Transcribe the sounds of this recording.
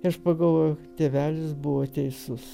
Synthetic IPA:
ɪɐʃpɐɡɐlˠʋoːjʊt̪ʲeːʋʲæːlʲɪsbʊʋoːt̪ʲɛɪsʊs

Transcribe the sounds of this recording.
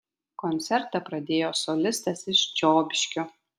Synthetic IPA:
kɔnʲt̪sʲɛɾt̪ɐpɾɐd̪ʲeːjoːsolʲɪst̪ɐsɪʃt͡ʃʲoːbʲɪʃʲkʲo

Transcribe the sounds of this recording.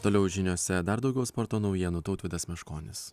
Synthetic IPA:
t̪oːlʲɛʊʒʲɪnʲoːsʲɛd̪ɐɾd̪ɒʊɡʲɛʊspɔɾt̪oːnɒʊjiɛnut̪ɐʊt̪ʋʲɪd̪ɐsmʲɛʃkoːnʲɪs

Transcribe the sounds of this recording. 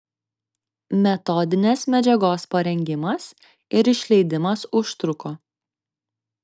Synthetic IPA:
mʲɛt̪ɔd̪ʲɪnʲɛsmʲɛd͡ʒʲɛɡoːspɐɾʲɛŋʲɡʲɪmɐs | ɪɾɪʃʲlʲɛɪd̪ʲɪmɐsʊʃt̪ɾʊkoː

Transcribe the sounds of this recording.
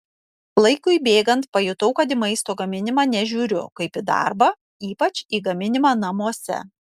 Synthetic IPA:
lˠɐɪkʊɪbʲeːɡɐnt̪̚pɐjʊt̪ɐʊkɐt̪ɪmɐɪst̪oːɡɐmʲɪnʲɪmɑːnʲɛʒʲuːɾʲʊ̰kɐɪpɪd̪ɑ̰ɾbɐ | iːpɐt͡ʃʲiːɡɐmʲɪnʲɪmɑːnɐmuɔsʲɛ̰

